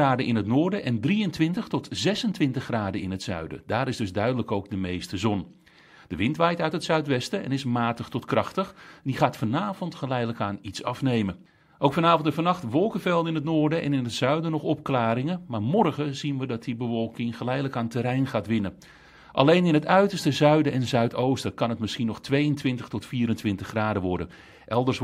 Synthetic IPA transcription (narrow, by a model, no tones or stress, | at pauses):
aːdəɪnətnʊːɹdəʔɛndriəntʋɪntəχtɔtzɛsəntʋɪntəχraːdəɪnɦətsœ̰ɥdə̰daːɾɪzdɵzdœɥdələkowɡ̚dəmejstəzɔn | d̥əʋɪntʋɛjtœɥtɦətsœɥtʋɛstəɛ̰nɪsmaːtəχtɔtkrɑχtəxdiχaːtfɔnaːvɔntχəlɛjdələkaːnitsɑfnejmə | ʔowkfɑnaːvɔntɛfɑnɑχtʋɔlˠkəvɛlˠtɪnətnoːrdəʔɛ̰nɪnətsœɥdənɔχɔp̚klaːɾɪŋəmaːɹmɔrɣəzinʋədɑt̚dibəʋɔlˠkɪŋχəlɛjdələkaːntəɾɛjnχaːtʋɪnə | ʔɑ̰lejnɪnətœɥtərstəzœɥdəɛnzœɥtʰowstəkɑnɦət̚mɪsχinɔχtʋejəntʋɪntəχtɔtfiːɾəntʋɪntəχːraːdəʋɔɹdə̰n | ʔɛlˠdərs